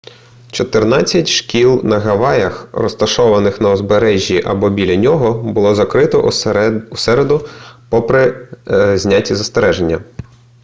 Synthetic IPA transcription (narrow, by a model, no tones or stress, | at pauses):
t͡ʃɔt̪ɪrnɑt͡sʲːɐtʲʃkʲilˠnɐɦɐʋɑjɐxrɔst̪ɐʃɔʋɐnɪxnɐɔzbeɾɛʒʲːiʔɐbɔbʲilʲɐnʲɔɦɔbʊlˠɔzɐkɾɪt̪ɔ̰ʔusɛɾed̪ʊpɔpɾɪ | zʲnʲatʲizɐst̪eɾɛʒenʲːɐ